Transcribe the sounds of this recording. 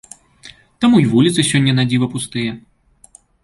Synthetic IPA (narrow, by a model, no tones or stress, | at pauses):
t̪amujivulʲit̪sɨsʲɔnʲːɐnad͡zʲivɐpust̪ɨjɛ